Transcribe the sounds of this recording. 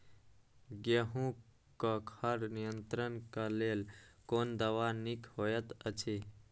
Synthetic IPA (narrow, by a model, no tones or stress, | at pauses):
ɡəɦũ | kəkʰəɾnijənt̪ɾənkalelkond̪əʋanikhojət̪ət͡ʃʰi